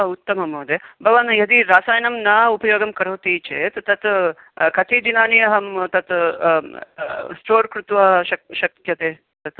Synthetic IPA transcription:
ut̪ːɐmɐmɐːd̪eːbɐʋɐnjɐd̪iɾaːsaːjɐnɐmnaːupɐjoːɡɐmkɐɾoːt̪iːt͡ʃeːt̪t̪ɐt̪ | kɐt̪ʰid̪inaːnijɐɦɐmt̪ɐt̪ | sʈoːɾkɾut̪ʋɐɦɐʃɐʃɐkʰjɐt̪eː | t̪ɐt̪

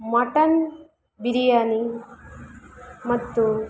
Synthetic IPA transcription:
mɐʈɐn | biɾijani | mɐt̪ːu

